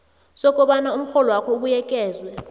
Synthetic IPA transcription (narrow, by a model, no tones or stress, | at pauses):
sɔkʼɔɓanaum̩xɔlɔwakʰɔuɓujɛkʼɛːzwɛ